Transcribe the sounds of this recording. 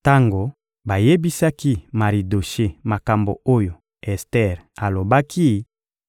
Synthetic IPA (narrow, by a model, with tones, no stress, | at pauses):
ta˦ŋɡo˨ | ba˨je˦bi˦sa˦ki˦ma˨ʁi˨do˨ʃe˦ma˨ka˨mbo̰˨o˦jo˨ | ɛ˨stɛ˦˨ʁa˨lo˨ba˦kʰi˦